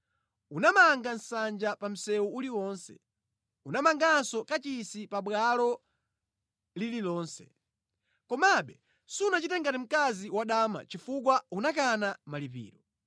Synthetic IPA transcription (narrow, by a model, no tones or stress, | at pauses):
unamaŋɡan̩sand͡ʒapam̩sɛuuliwɔːnsɛ̰ | unamaŋɡansɔkat͡ʃisipaɓwalɔ | lililɔːnsɛ̰ | kɔmaɓɛ | siunat͡ʃitɛŋɡatim̩kaziwaɗaːma̰t͡ʃifuk̬waunakanamalip̬ḭːɾɔ